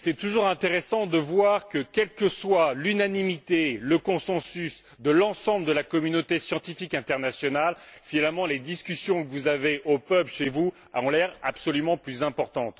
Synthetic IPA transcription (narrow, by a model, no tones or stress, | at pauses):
sɛt̪uʒuʁɛ̃t̪eʁesɑ̃d̪əvwaʁkəkʲɛlkəswalynanimit̪eləkɔ̃sɑ̃sys | d̪əlɑ̃sɑ̃bləd̪əlakɔmynot̪esjɑ̃t̪ifikɛ̃t̪ɛʁnasjɔnalfinalmɑ̃led̪iskʲysjɔ̃kəvuzaveʔopœplʃevu | aɑ̃lɛʁa̰psɔlymɑ̃plyzɛ̃pɔʁt̪ɑ̃t̪